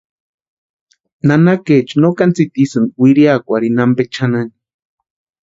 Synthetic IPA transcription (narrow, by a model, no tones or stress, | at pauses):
nanaket͡ʃnokant͡sit̪isɨnwiɾiakʷaɾinambet͡ʃʰanani